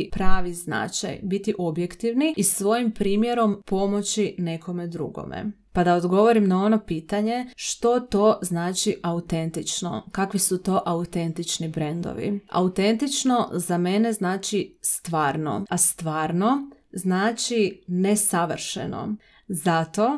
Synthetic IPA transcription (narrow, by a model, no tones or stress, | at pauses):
pɾaːʋizna̰t͡ʃa̰jbit̪iʔo̞bje̞kt̪iʋniisʋo̞jimpɾiːmjeɾo̞mpo̞mo̞t͡ʃine̞kʰo̞me̞d̪ɾṵɡo̰mḛpad̪aod̪ɡo̞ʋo̞ɾimnao̞no̞piːt̪aɲe̞ʃt̪o̞t̪o̞ːznaːt͡ʃiʔaut̪e̞nt̪it͡ʃno̞̰kakʋisut̪o̞ːʔaut̪e̞nt̪it͡ʃnibɾend̪o̞̰ʋḭa̰ut̪e̞nt̪it͡ʃno̞zame̞ne̞znaːt͡ʃist̪ʋaːɾno̞̰ast̪ʋaːɾno̞ | znaːt͡ʃine̞saʋr̩ʃḛno̞̰ | zat̪o̞